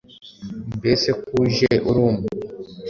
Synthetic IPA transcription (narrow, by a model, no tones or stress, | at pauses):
mbesekuʒeʔuɾuːmu